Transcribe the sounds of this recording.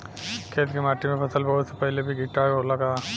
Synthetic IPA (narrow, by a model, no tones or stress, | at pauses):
kʰeːt̪kemaːʈimẽpʰɐsəlbɐɦʊt̪sepəɦɪlebʱiɡɪʈːaolaɡa